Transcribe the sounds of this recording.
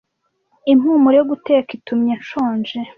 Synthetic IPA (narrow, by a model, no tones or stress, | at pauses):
im̥huːmuɾejoɡuteːkitumɲeʃoːnʒe